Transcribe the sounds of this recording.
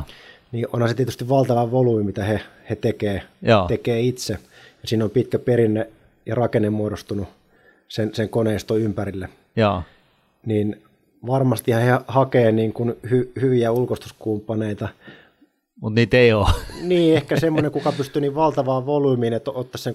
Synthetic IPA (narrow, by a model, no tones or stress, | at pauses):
niːʔo̰nhɑnset̪iet̪yst̪iʋʋɑlt̪ɑʋɑʋoluimit̪æhehet̪ekeːjoːekeːit̪se | jɑsiːnompit̪kæperinːe | jɑrɑkenemmuoɾost̪unu | senseŋkoneˑist̪oympærilːe | joː | niːn | ʋɑrmɑst̪ihɑhehɑkeːniːŋkunhyhyʋiæulkost̪u̥skumpːɑneit̪ɑ | mut̪niːt̪eioːniːehkæsemːoneŋkukɑpyst̪yniːʋʋɑlt̪ɑʋɑːʋoluimiːnet̪ot̪ːɑsseŋ